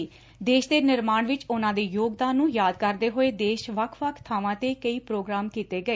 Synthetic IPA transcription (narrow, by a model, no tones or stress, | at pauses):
d̪eːʃd̪eːnɪɾmaːɳʋɪt͡ʃʊnãːd̪eːjoːɡd̪ãːnːũːjaːd̪̚kəɾd̪eːɦoːeːd̪eːʃʋəkʰʋəkʰt̪ʰaːʋãːt̪eːkəiːpɾoːɡɾaːmkiːt̪eːɡəeː